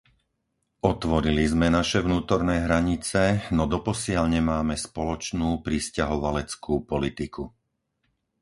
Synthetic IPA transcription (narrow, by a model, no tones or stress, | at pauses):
ʔɔt̪ʋɔɾilizmɛnaʃɛʋnuːt̪ɔɾnɛːɦɾaɲit͡sɛnɔd̪ɔpɔsɪaʎɲɛmaːmɛspɔlɔt͡ʃnuːpɾiscaɦɔʋalɛt͡skuːpɔlit̪iku